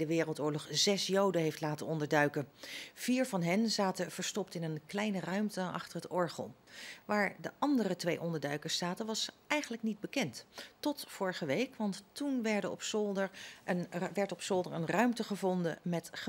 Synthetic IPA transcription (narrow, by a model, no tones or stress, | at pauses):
dəʋɪːrəlˠtʊːɹlɔχz̥ɛsjowdəɦejftlaːtəɔndəɹdœɥkəv̥iːɹvɑnɦɛnzaːtəv̥əɹstɔptɪnənklɛjnərœɥmtəɑ̰χtərɦətɔɹχə̰lˠʋaːɹdəʔɑndərətʋejʔɔndəɹdœɥkəɹsaːtənʋɑs | ɛjχənləknid̚bəkɛnttɔtfʊːɹəχəʋejkʋɑntːunʋɛɹdəɔ̰psɔlˠdə | ʋɛɹtɔpsɔlˠdəɹənrœɥmtəχəvɔndə̰mɛtχə